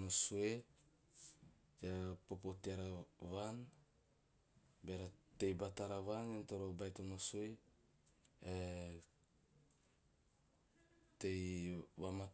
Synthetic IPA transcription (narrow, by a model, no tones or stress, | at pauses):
nosue | d͡ʒapopotaɾaβan | beɾatejbataɾaβanentoɾobajtonosue | e | tejβama